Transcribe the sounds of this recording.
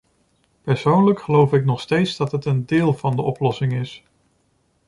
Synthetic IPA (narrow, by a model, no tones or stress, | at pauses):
pɛɹsownləkχəlowfɪknɔχstejtzdɑtɦətəndɪːlˠvɑndəʔɔplɔsɪŋɪs